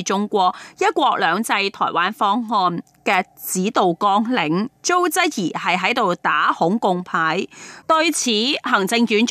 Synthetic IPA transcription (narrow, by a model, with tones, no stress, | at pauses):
t͡ʃʊ˥ŋkʷɔː˧k̚jɐ˥t̚kʷɔː˧k̚lœː˨˧ŋt͡sɐ˧jt̪ʰɔ̰ː˨˩jwaː˨˥nfɔː˥ŋhɔː˧n | kɛː˧ | t͡siː˨˥t̪o˨wkɔː˧˥ŋlɪ˨˥ŋt͡so˥wt͡sɐ˥t̚jiː˨˩hɐ˨jɦɐ˨˥jt̪o˨wt̪aː˨˥hʊ˨˥ŋkʊ˧ŋpʰaː˨˥jt̪ɵ˧ɥt͡sʰiː˨˥hɐ˨˩ŋt͡sɪ˧ŋjyː˨˥n